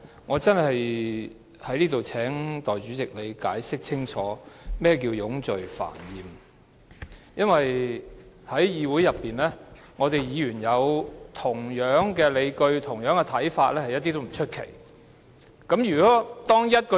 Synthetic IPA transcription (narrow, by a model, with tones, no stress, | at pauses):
ŋɔː˨˧t͡sɐ˥nhɐ˨j | hɐ˨˥jliː˥t̪o˨wt͡sʰɛː˨˥ŋt̪ɔː˨˩jt͡ʃyː˨˥t͡sɪ˨k̚le˨˧jka̰ː˨˥jsɪ˥k̚t͡sʰɪ˥ŋt͡ʃʰɔː˨˥mɛː˥k̬iː˧wjʊ˨˥ŋt͡sɵ˨ɥfa̰ː˨˩njiː˨m | jɐ˥nwɐ˨j | hɐ˨˥jjiː˨˧wuː˨˥jɐ˨pːiː˨nlɛː˥ | ŋɔː˨˧t̪e˨jjiː˨˧jyː˨˩njɐ˨˧wt̪ʰʊ˨˩ŋjœː˨˥ŋkɛː˧le˨˧jkɵ˧ɥt̪ʰʊ˨˩ŋjœː˨˥ŋkɛ˧t̪ʰɐ˨˥jfaː˧t̚lɛː˥hɐ˨jɐ˥t̚t̪ːiː˥t̪o˥wm̩˨˩t͡ʃʰɵ˥t̚kʰḛ˨˩j | kɐ˨˥mjyː˨˩kɔː˨˦˥t̪ɔː˥ŋjɐ˥t̚kɔ˧